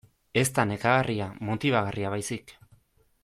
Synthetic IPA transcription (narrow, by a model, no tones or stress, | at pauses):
e̞st̪ane̞kaɣarʔiamot̪iβaɣariaβajsik